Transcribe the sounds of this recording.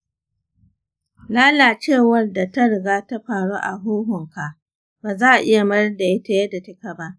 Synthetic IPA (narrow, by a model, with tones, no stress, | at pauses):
laː˦laː˨t͡ʃeː˦˨wɐ˦rda˨ta˦ɽɪ˨ɡaː˦ta˦ɸaː˨ɽuː˦ʔa˨ɦoː˦ɦʊ˨ŋka˨ʔ | baː˨zaː˦ʔʔɪ˦ja˨mɐ˦rda˨jɪ˦ta˨jɛ˦da˨tɪ˦ka˨ba˦ʔ